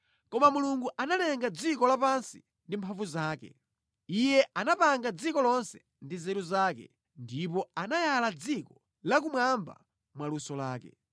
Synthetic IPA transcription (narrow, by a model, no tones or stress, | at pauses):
kɔmamuluŋɡuʔanalɛŋɡad͡zikɔlapansi | ndimpʰaɱvuzaːkɛ̰ | ijɛʔanapaŋɡad͡zikɔlɔnsɛ̥ | ndizɛɾuzaːkɛ̰ | ndipɔanajalad͡zikɔ | lak̬umwamba̰ | mwalusɔlaːkɛ̰